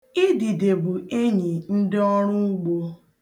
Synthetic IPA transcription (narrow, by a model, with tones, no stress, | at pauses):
ɪ˦di˨de˨bu˨e˦ɲi˨n̩˦dɪ˦ɔ˦ɾ̃ʊ˦u˦ɡ͡bo˦